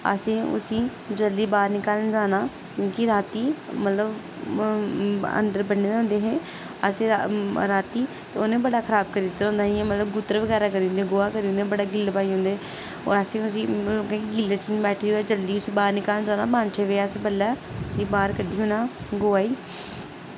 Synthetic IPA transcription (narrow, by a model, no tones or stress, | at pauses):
ə̰sĩːʔʊ̰sĩː | d͡ʒəld̪iːbaːɾnɪkaːlnd͡ʒaːnaː | kjõːkiɾaːt̪iːmət̪ləb | ə̰nd̪əɾbənːeːd̪ɦʊ̃ːnd̪eːɦeː | əsẽːaɾaːt̪iː | t̪eːoːnẽːbəɽaːkʰəɾaːbkəɾiːd̪ɪt̪ːaɦõːnd̪aːɦĩɛ̃ːmət̪ləbɡʊt̪əɾʋəɡɛːɾaːkəɾĩːnd̪eɡoːaːkəɾiːõnd̪eːbəɽaːɡɪlːpaːiːɦõnd̪ḛː | ɛsẽːʊsĩːokẽkːɡɪlːət͡ʃnĩːbɛːʈʰiːɛːd͡ʒəld̪iːʊsĩːbaːɾnɪkaːlnd͡ʒaːnaːbãːnt͡ʃʰeʋeːaːseːbəlːɛːʊsĩːbaːɾkəɖiːɦoːnaːɡoːaːiː